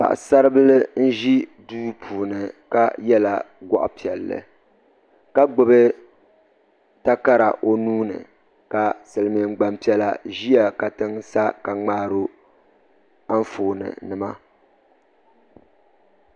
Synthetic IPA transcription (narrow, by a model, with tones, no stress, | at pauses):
pa̰˨ʔsa˦ɾɨ˦bɨ˦lɨ˦n̩˦ʒi˦duː˦pʰuː˨nɨ˨ka˦jɛ˦la˨ | ɡʷɔ̰˦ʔʊ̰˦pi˨ɛ˨lːɨ̰˨ | ka˦ɡ͡bʊ˨bɨ˦ | ta˦ka˦ɾa̰˨ʔo˦nuː˦nɨ̰˨ | ka˨sɨ˨lɨ˨mi˨m̩˦ɡ͡ba˦mpi˦ɛ˦la̰˦ʒi˦ja˨ka˨tɨ˦ŋsa˦ka˨ŋ͡maː˦ɾo˦ | a˦n˦foː˨nɨ̰˨nɨ˨ma˦